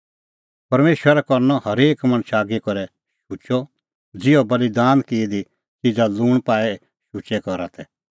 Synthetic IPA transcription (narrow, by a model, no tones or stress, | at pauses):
pɐɾmeːʃwəɾɛkɔɾnɔhɐɾeːkmɐnʃaːɡikɔɾɛ | ʃʊt͡ʃɔ | d͡zɪɔbɐlid̪aːnkid̪i | t͡ʃid͡zaluːɽ̃paːɛ | ʃʊt͡ʃɛkɔɾa̰t̪ʰɛ